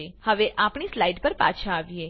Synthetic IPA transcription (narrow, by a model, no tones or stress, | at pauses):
ehəʋeʔapɳ̃islaiɖpəɾpa̰t͡ʃʰaːʋje